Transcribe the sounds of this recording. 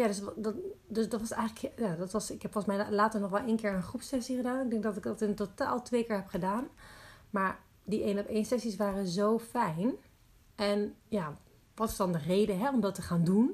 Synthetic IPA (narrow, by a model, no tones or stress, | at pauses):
jadøsddøsdɔtʋɔsɛ̰jɣələkjadɔtʋɔsɪkhɛpfɔlˠsmɛjlaːtəɹnɔχʋɛlˠʔeːnkɪːɹənχrupsɛsiχədaːnɪɡ̚dɛŋk̚dɔtɪkdɔtɪntota̰ːlˠtʋeːkɪːɹɦɛpχədaːnmaːɹ | diʔeːnɔpeːnsɛsisʋaːrəzowfɛjn | ʔɛnja | ʋɔtɪ̥sdɔndərejdəɦɛɔmdɔtəχaːndun